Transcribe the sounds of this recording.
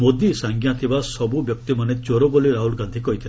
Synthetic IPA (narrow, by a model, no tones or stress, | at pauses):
mod̪isaŋɡjãt̪ʰibasɔbubjɔk̚t̪imanet͡ʃoɾoboliɾaɦulɡãnd̪ʱikɔɦit̪ʰil